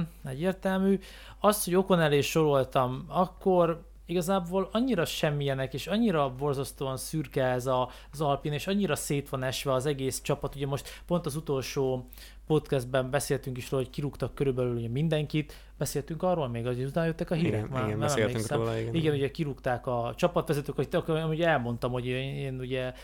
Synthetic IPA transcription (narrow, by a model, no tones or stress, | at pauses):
nɛɟːeːrt̪ɛlmyː | ɒsho̞ɟo̞ko̞nɛleːʃo̞ɾo̞lt̪ɒmɒkːo̞r | iɡɒzaːboːlɒɲːiɾɒʃɛmːijɛnɛkeːʃɒɲːiɾɒvo̞rzɒst̪oːɒnsyrkɛɛzɒ | zɒlpineːʃɒɲːiɾɒseːt̪ʋɒnɛʃʋɛɒzɛɡeːst͡ʃɒpɒt̪uɟɛmo̞ʃt̪po̞nt̪ɒzut̪o̞lʃoː | po̞t̪kɛzd̪̚bɛmbɛseːlt̪yŋkiʃroːlhockiɾukt̪ɒkːøɾybɛlyluɟɛmind̪ɛŋkit̪ | bɛseːlt̪yŋkɒrːoːlmeːɡɒut̪aːnjøt̪ːɛkɒɦiːɾɛkmaːɛmɛmleːksɛiɡɛnuɟɛkiɾukt̪aːkɒt͡ʃɒpɒt̪ʋɛzɛt̪øːkɒkit̪kuɟɛlmo̞nt̪ɒmho̞ɟeːnuɟɛ